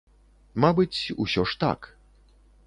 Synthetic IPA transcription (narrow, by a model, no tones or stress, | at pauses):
mabɨt͡sʲṵsʲɔʂt̪a̰k